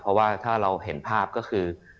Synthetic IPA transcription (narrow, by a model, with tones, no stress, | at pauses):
pʰɾɔ˦˥waː˥˩t̪ʰaː˥˩ɾa˧wɦe˩˦npʰaː˥˩p̚kɔː˥˩kʰɯː˧